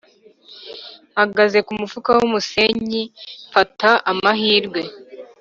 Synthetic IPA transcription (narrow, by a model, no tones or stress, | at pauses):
haɡaze̞kumufukawumuse̞ɲifataʔamaɦiːɾɡwe̞